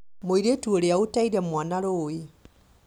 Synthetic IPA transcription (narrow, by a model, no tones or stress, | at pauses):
moiɾetuoɾeaotaiɾɛmwaːnaɾoːe